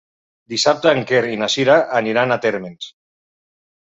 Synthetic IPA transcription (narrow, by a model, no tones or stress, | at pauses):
d̪isap̚t̪aːŋkeɾinasiɾaʔːniɾanat̪eɾmens